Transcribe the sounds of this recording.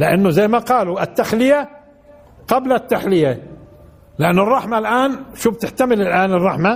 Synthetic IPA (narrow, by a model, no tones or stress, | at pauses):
lɪʔanːʊzajːmaqɑːluʔɪt̪ːaxlɪja | qɑblat̪ːaħlɪja | lɪʔanːʊrˤːɑħmalʔaːnʃuːb̚t̪ɪħt̪amɪlɪlʔaːnɨrˤːɑħma